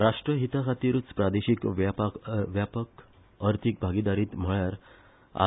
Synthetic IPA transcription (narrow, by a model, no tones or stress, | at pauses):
ɾaʂʈɾəɦit̪akʰat̪iɾut͡spɾad̪eɕikʋpʋjapək | əɾt̪ʰik̚bʱaɡid̪aɾiːt̪m̤əɭjaɾ | a̰